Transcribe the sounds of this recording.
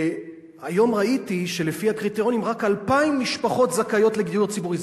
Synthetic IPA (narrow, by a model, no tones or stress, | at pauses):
ajo̞mʁaitiʃe̞le̞fihakʁit̪eʁo̞nimʁakalpaimːiʃpaχo̞tzakajo̞tle̞ɡijuʁt͡sibuʁiz